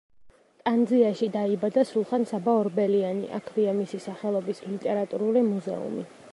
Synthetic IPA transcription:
t̪ʼand̪ziaʃid̪aibad̪asulˠχansabaɔɾbɛlianḭʔa̰kʰviamisisaχɛlˠɔbislit̪ʼɛɾat̪ʼuɾulimuzɛ̰ṵmḭ

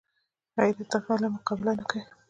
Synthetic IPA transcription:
ɑjd̪at̪afɑlamʊqɑbɪlanaka

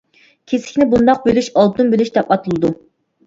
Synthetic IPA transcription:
kʲʰesɪ̥kʲnɪbund̪ɑq̚bølyʃɑlˠt̪umbølyʃd̪ɛpɑt̪ʰɨlˠɨd̪u

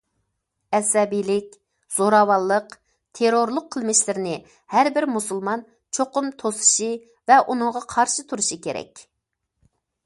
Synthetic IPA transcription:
ɛsɛbijlɪk̚ʲ | z̥oɾɑwɑlˠːəq | t̪ʰeɾoɾlˠʊqʰːəlˠmɪʃlɪɾɪnɪ | hæɾbɪɾmusulˠmɑn | t͡ʃʰoqʊmt̪ʰosɨ̥ʃɨ | vɛʔunɨŋʁɑqʰɑɾʃɨt̪ʰuɾuʃɨkʲʰeɾɛ̰kʲ

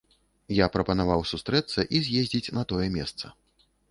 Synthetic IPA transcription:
japɾɐpɐnavawsust̪ɾɛt̪sɐʔizʲjezʲd͡zʲit͡sʲnɐt̪ɔjɛmʲɛst̪sɐ̰

